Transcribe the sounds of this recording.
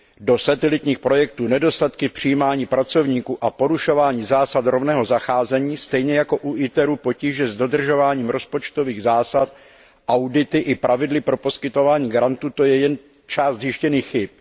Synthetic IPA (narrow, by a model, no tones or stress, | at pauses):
do̞sat̪ɛlɪt̪ɲiːxpɾo̞jɛk̚t̪uːnɛdo̞st̪at̪kɪfpr̝̥ɪjiːmaːɲiːpɾat͡so̞vɲiːkuːʔapo̞ɾuʃo̞vaːɲiːzaːsat̪ɾo̞vnɛːɦo̞zaxaːzɛɲiːst̪ɛjɲɛjako̞ʔuʔɪt̪ɛɾuːpo̞ciːʒɛzdo̞d̪r̩ʒo̞vaːɲiːmɾo̞spo̞t͡ʃt̪o̞viːɣzaːsat̪ | ʔawdɪt̪ɪʔɪpɾʔavɪdlɪpɾo̞po̞skɪt̪o̞vaːɲiːɡaɾant̪uːt̪o̞jɛjɛn | t͡ʃaːzt̪zjɪʃcɛniːxːɪp̚